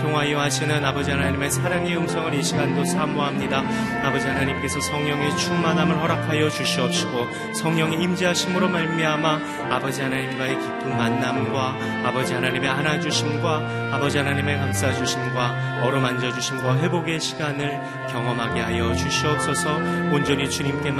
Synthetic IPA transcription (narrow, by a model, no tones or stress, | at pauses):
tʰoŋɦwaioɦaɕʰinɯnabʌd͡ʑiɦanaɲime̞sʰaɾaŋejoŋsʰʌŋɯɾiɕʰiɡandosʰamoɦamɲida | abʌd͡ʑiɦanaɲimk͈e̞sʰʌsʰʌŋɲʌŋe̞t͡ɕʰumanamɯɭɦʌɾakʰajʌd͡ʑuɕʰiʌp̚ɕ͈iɡo | sʰʌŋɲʌŋiimd͡ʑiɦaɕʰimɯɾomaɭmiɦama | abʌd͡ʑiɦanaɲimɡaekipʰːɯnmanːamɡwa | abʌd͡ʑiɦanaɲime̞anad͡ʑuɕʰinɡwa | abʌd͡ʑiɦanaɲime̞kams͈ad͡ʑuɕʰimɡwa | ʌɾɯmand͡ʑʌd͡ʑuɕʰinɡwaɦe̞boɡe̞ɕʰiɡanɯɭ | kjʌŋʌmɦaɡe̞ɦajʌt͡ɕuɕʰiʌp̚s͈ʌsʰʌond͡ʑʌɲit͡ɕuɲimk͈e̞